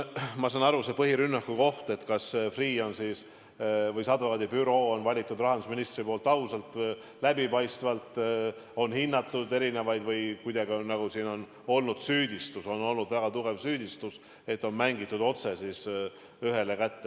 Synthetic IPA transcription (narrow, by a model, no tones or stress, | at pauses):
mɑsɑːnɑɾusepɤɦiɾynːɑkːuko̞ht̪e̞t̪kɑsfriːo̞nsiːs | vɤjsɑd̪uɑd̪ibyɾo̞ːonvɑlʲit̪ːˑud̪rɑɦɑnd̪usminist̪ripo̞ːlt̪ːˑɑusɑlt̪ | læbipɑjst̪vɑlt̪o̞nhinːɑt̪ːˑud̪e̞ɾine̞vɑjd̪̥vɤjkujd̪̥ɑɡinɑɡ̥usiːno̞n | o̞lnud̪̥syːd̪̥ʲist̪uso̞no̞lnud̪̥væɡ̥ɑt̪uɡ̥e̞vsyːd̪ist̪us | e̞t̪ːˑo̞nmæŋɡit̪ːˑud̪o̞t̪se̞siːs | yɦe̞lekæt̪ːe